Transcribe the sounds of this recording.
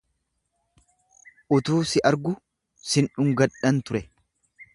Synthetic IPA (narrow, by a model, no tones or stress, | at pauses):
ʔʊt̪uːsɪʔɐɾɡʊ | sɪnᶑʊŋɡɐᶑɐnt̪ʊɾɛ